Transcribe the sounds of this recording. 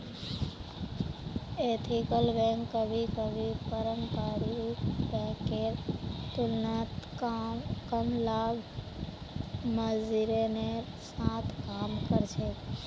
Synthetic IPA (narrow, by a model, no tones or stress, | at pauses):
eːt̪ʰɪkəlbɛ̃ːkːəbʱikəbʱipəɾəmkaːɾikbɛ̃kːeɾt̪ʊlnət̪kːkəmlaːɡ | məziɾene | saːt̪ʰkaːmkəɾt͡ʃʰeː